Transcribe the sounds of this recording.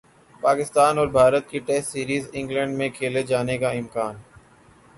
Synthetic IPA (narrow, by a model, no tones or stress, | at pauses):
paːkɪst̪aːnɔːɾbʱaːɾət̪̚kiʈɛːsʈsiːɾiːzɪ̃ŋɡlə̃ɳɖmẽkʰeːled͡ʒaːnekaɪmkaːn